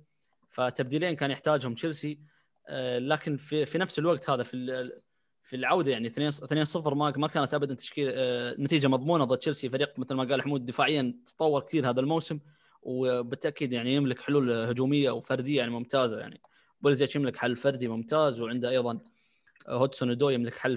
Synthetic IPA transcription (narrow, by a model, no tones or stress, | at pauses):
fat̪ːab̚d̪iːleːnkaːnjɪħt̪aːd͡ʒhʊmʃɪlsi | laːkɪnfifinafsɪlwaɡt̪haːðafi | filʕawd̪ajaʕniθneːnθneːnsˤɨfɾmamakaːnat̪ʔabad̪ant̪ḁʃkiːlnːat̪iːd͡ʒamɑðˤmuːnaðˤɨt̪ːt͡ʃɪlsifaɾiːq̚mɪθalmaɡaːlħʊmuːd̪̚ːɪfaːʕɪjːant̪t̪ˤɑwːɑɾˤkt̪iːɾhaːðalmawsɪm | wbɪt̪ːaʔkiːd̪jaʕnijɪmlɪkħɪluːlhʊd͡ʒuːmɪjːawfɑɾˤd̪ɪjːaʕnimʊmt̪aːzaja̰ʕnḭ | bɪlzeːt͡ʃjɪmlɪkħalːfɑɾˤd̪imʊmt̪aːzwʕɪnd̪ʔɑjðˤɑn | hʊd̪sʊnd̪oːjɪmlɪkħalː